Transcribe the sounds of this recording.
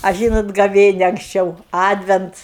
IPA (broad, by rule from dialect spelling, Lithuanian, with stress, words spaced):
ɐ ˈʒʲiːnoːt ɡɐˈʋʲeːnʲɛ ɐŋksʲˈt͡ʃʲɛʊ ˈɑːdʲʋʲɛnts